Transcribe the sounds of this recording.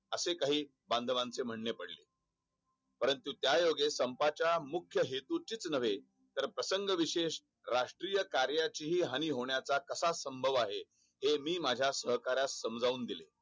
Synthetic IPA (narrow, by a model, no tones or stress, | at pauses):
əsekaɦiː | bãnd̪ʱʋãnt͡sem̤əɳːepəɽlḛː | pəɾənt̪ut̪jajoɡesəmpat͡ɕjamukʰjəɦet̪ut͡ɕit͡snəʋ̤e | t̪əɾpɾəsəŋɡəʋiɕeɕ | ɾaʂʈɾijəkaɾjat͡ɕiɦiːɦaniːɦoɳjat͡sakəsasəmbʱəʋaɦe | hemiːmad͡ʑʱjasəɦkaɾjassəmd͡zauːnd̪ilḛ